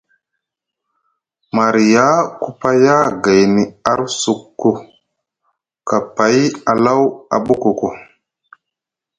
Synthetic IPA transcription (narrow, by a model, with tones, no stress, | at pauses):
ma˨ɾi˨ja˦ku˦pa˦ja˦ɡa˨jni˨a˦ɾsu˨kːu˨ | ka˨pa˨˦ja˨la˦wa̰˨ɓu˦ku˨ko˨